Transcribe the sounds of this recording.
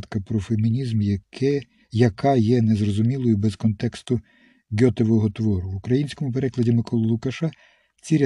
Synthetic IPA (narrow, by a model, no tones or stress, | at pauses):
t̪kɐpɾɔfemʲinʲizm | jɐkɑjɛnezrɔzʊmʲilˠɔjʊbɛzkɔnt̪ɛkst̪ʊ | ɡʲɔt̪eʋɔɦɔt̪ʋɔɾʊʋʊkɾɐjinʲsʲkɔmʊpeɾɛklˠɐdʲimɪkɔlˠɐlˠʊkɐʃɑ | t͡sʲiɾʲ